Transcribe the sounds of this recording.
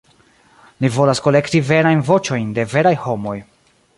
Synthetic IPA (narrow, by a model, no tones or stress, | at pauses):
livo̞lasko̞le̞ktive̞ɾajnvo̞t͡ʃo̞jnde̞ve̞ɾajho̞mo̞j